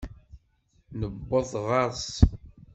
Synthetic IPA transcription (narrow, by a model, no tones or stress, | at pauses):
nəbːəðˤʁɑɾs